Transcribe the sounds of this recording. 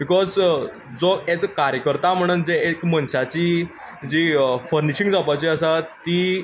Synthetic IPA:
bikɔz | d͡zɔet͡skaɾjəkəɾt̪am̤əɽ̃uːnd͡zeekmənɕat͡ɕiː | d͡ʑifəɾniɕiŋɡd͡zapat͡ɕiːəsat̪i

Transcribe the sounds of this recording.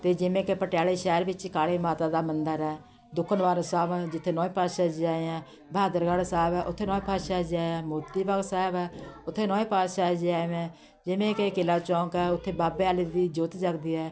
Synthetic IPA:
t̪eːd͡ʒɪmẽːkeːpəʈjaːleːʃɛːɾbɪt͡ʃkaːɽeːmaːt̪aːd̪aːmənd̪əɾɛː | d̪ʊkʰːənʋaːɾosaːbɛd͡ʒɪt̪ʰːeːnɔ̃ːĩːpaːʃaːd͡ʒd͡ʒaːeɛ̃ː | bʱaːd̪əɾɡaɽsɛːbɛːʔʊt̪ʰːeːnɔ̃ːẽːpaːʃaːd͡ʒaːɛ̃ːmʊːɾt̪iːbaɡsɛːbɛːʊt̪ʰːeːnɔ̃ːẽːpaːʃaːd͡ʒaːʋɛ̃ː | d͡ʒɪʋẽːkeːkɪlaːt͡ʃɔ̃ːŋkɛːʊt̪ʰːeːbaːbeːaːled̪iːd͡ʒoːt̪d͡ʒəkd̪iːɛː

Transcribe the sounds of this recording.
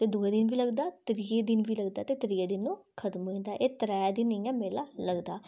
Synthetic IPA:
t̪eːd̪oːeːd̪ɪnʋiːləɡd̪aːt̪əɾied̪ɪnʋiːləɡd̪aːt̪eːt̪əɾiːeːd̪ɪnːũː | kʰət̪mɦʊĩnd̪aːʔeːt̪əɾɛːd̪ɪnĩːɛ̃ːmeːlaːləɡd̪aː

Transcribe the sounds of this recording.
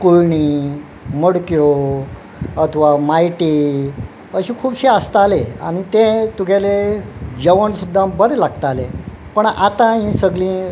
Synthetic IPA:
kujɳi | məɽkjo | ət̪ʰəʋamajʈi | əɕĩkʰuːbɕiəst̪alea̰ɽ̃it̪ẽt̪uɡʱaled͡ʑəʋəɳsud̪ʱːabəɾelaɡ̚t̪ale | pəɳa̰t̪ãɦĩsəɡlĩː

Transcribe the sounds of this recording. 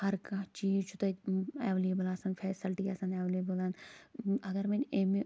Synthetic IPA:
hɐɾkat͡ʃiːzt͡ʃʰut̪ɐḛːʋleːbɐlaːsɐnfʰɛːsilʈiasɐneːʋleːbɐlanɐɡɐɾmeneme

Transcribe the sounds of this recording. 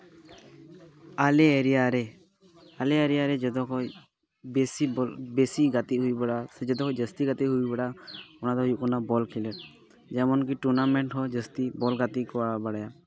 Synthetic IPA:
alɛeɾɛjaɾɛ | alɛɛɾɛjaɾɛd͡ʒɔd̪ɔkɔ | bɛsibɛsiɡat̪iʔɦujbaɽasɛd͡ʒɔd̪ɔkɔd͡ʒəst̪iɡat̪iʔɦuibaɽaɔnad̪ɔjuʔkɔnabɔlkʰilɛt | d͡ʒɛmɔnkiʈuɾnamɛɳʈɦɔd͡ʒəst̪ibɔlɡat̪ikɔwabaɽaja

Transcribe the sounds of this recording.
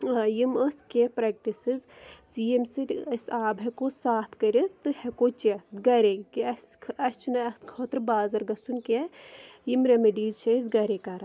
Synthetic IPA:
jiməskʲepɾɐk̚ʈisizziːemsiɾʲɐsaːbʱɐkosaːpʰkɐɾet̪ɨhɛkoːt͡ʃɐɡɐɾekiɐskʰɐt͡ʃʰnɐɐt̪kʰɐːt̪ɾbaːzɐɾɡɐsunkʲejimɾemiɖiːzt͡ʃʰɐzɡɐɾekɐɾɐ

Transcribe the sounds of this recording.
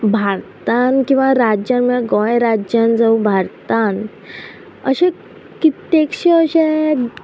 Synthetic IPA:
bʱaɾt̪ankĩw̃ʋaɾad͡ʑjanmeɡɔ̃jɾad͡ʑjand͡zaubʱaɾt̪an | əɕẽ | kit̪ekɕeəɕẽ

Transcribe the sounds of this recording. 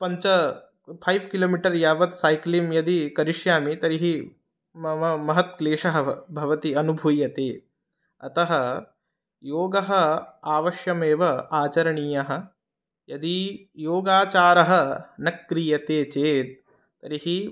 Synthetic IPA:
pɐɲt͡ʃɐ | pʰɐjʋkiloːmiʈɐɾjaːʋɐt̪saːjklimjɐd̪ikɐɾiʂjaːmit̪ɐɾiɦi | mɐmɐɦɐt̪̚kleːʂɐɦɐ̆bʱɐʋɐt̪iɐnubʱujɐt̪eː | ɐt̪ɐɦɐ | joːɡɐɦɐ̆aːʋɐʃjɐmeːʋɐaːt͡ʃɐɾɐɳiːjɐɦɐ̆ | jɐd̪i | joːɡaːt͡ʃaːɾɐɦɐ̆nɐkːɾijɐt̪eːt͡ʃeːt̪̚ː | ɐɾiɦi

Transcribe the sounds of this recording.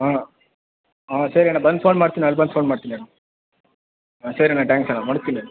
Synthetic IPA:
ɦaː | aːsɐɾiaɳabɐnd̪pʰoːnmaːɽt̪iniɐlːbɐnd̪̚pʰoːnmaːɽt̪iːniaːɳɐ | asɐɾiɐɳaʈaːŋksɐnamɐɽust̪ːini

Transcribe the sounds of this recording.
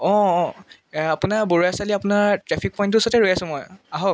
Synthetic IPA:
ɔ̃ | apʊnaɹboɹuasaliapʊnaɹtɹɛpʰik̚pɔj̃nt̬ʊsɔtɛɹojasʊ̃mɔjaɦɔ

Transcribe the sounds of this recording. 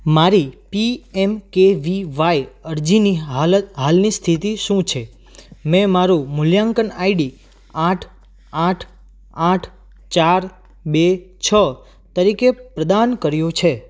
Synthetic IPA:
maɾipiemkeʋiʋajəɾd͡ʒinilət̪ɦalnist̪ʰit̪iʃũt͡ʃʰe | mɛ̃maɾumʊljaŋkənaiɖi | aʈʰ | aʈʰ | aʈʰ | t͡ʃaɾ | bet͡ʃʰə | t̪əɾikepɾəd̪ankəɾjõt͡ʃʰe

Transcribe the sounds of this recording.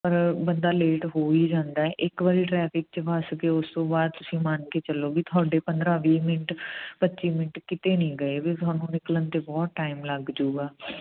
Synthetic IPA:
pəɾbənd̪aːleːʈɦoːiːd͡ʒãːnd̪aːɛːʔɪkʋaːɾiːʈɾɛːpʰɪk̚t͡ʃəʋasɡeʊst̪õːbaːd̪̚t̪ʊsĩːmaːnkeːt͡ʃəlːoːbiːt̪ʰaːɖeːpənd̪ɾãːʋiːmɪnəʈpətːʃiːmɪnəʈkɪt̪eːnĩːɡəeːbit̪ʊaːnũːnɪklənt̪eːbɔːt̪̚ʈaːɪmləɡd͡ʒoːɡaː

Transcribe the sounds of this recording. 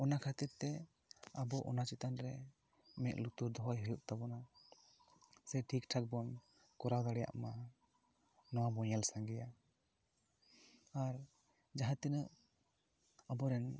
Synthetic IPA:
ɔnakʰat̪iɾt̪ɛ | abɔʔɔ̰nat͡ʃit̪anɾɛ | mɛʔlut̪uɾd̪ɔɦɔjɦəjuʔt̪abɔna | sɛʈʰikʈʰak̚bɔn | kɔɾawd̪aɽɛja̰ʔma | nɔwabɔɲɛlsaŋɡɛja | aɾ | d͡ʒaɦãt̪inəʔ | abɔɾɛn

